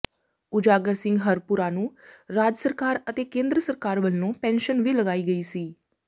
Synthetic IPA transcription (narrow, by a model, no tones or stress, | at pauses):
ʊd͡ʒaːɡəɾsɪ̃ŋɡɦəɾpʊɾãːnũːɾaːd͡ʒəsəɾkaːɾət̪eːkẽːnd̪ɾəsəɾkaːɾʋəlnõːpɛ̃ːnʃənʋiːləɡaːiːɡəiːsiː